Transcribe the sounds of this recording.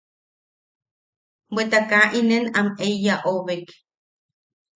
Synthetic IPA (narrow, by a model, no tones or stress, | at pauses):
wet̪akaʔinenameijaʔoβek